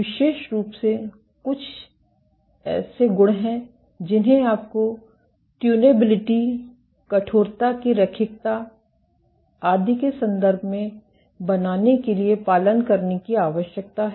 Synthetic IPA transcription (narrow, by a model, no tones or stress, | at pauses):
ɪʃeːʃɾuːpse | kʊt͡ʃʰ | ɛ̰ːseɡʊɽɦɛ̃ | d͡ʒɪnɦẽaːp̚ko | ʈjuːneːbɪlɪʈi | kɐʈʰoːɾt̪akiɾɐkʰɪk̚t̪a | aːd̪ʱikesɐ̃nd̪əɾbʱmẽ | bɐnaːnekeliepaːlənkɐɾnekiaːʋəʃjək̚t̪aɦɛ